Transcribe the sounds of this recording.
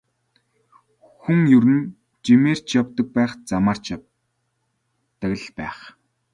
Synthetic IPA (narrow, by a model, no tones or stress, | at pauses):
xuŋjɵɾɘ̆n | t͡ɕimeːr̥t͡ɕjawt̪ə̆k̚pæːχt͡samaːr̥t͡ɕ | t̪ə̆kɮpæːχ